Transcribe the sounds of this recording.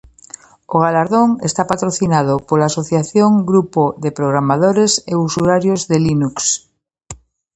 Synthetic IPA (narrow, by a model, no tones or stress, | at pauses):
oɣ̞alaɾðoŋest̪apat̪ɾoθinað̞opolaːsoθjaθjoŋɡɾupoðepɾoɣ̞ɾamaðoɾeseusuaɾjozðelinuks